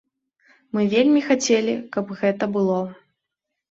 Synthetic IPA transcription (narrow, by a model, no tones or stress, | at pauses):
mɨvʲelʲmʲixat͡sʲelʲikɐpɣɛt̪ɐbɨlˠɔ